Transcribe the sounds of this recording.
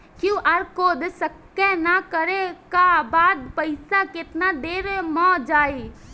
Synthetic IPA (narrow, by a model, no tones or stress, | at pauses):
kjũʔaɾkoːd̪səkːẽnakəɾekabaːd̪pəɪsakɪt̪nad̪eːɾmɔ̃d͡ʒaːi